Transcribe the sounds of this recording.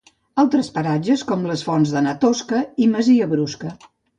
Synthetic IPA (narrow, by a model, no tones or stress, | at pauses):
alˠt̪ɾəspəɾad͡ʒəskɔmləsfɔnzðənət̪oskəiməziəβɾuskə